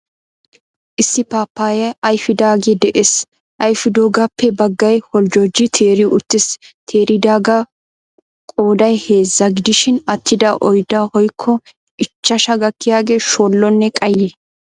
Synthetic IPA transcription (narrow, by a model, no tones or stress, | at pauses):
ʔɪsːɪpaːpːaːjɐʔɐjfɪd̪aːɡed̪ɛʔeːs | ʔɐjfɪd̪oːɡɐpʰːɛbɐɡːɐjhɔld͡ʒoːd͡ʒːɪt̪ʰe̞ːɾɪʔʊt̪ːɪst̪ʰeːɾɪd̪aːɡɐ | kʼoːd̪ɐjhe̞ːzːɐɡɪd̪ɪʃɪnɐt̪ʰːɪd̪ɐʔɔjd̪ɐhɔjkʰːɔ | ɪt͡ʃːɐʃɐɡɐkːɪjaːɡe̞ːʃoːlːɔnːɛkʼɐjːeː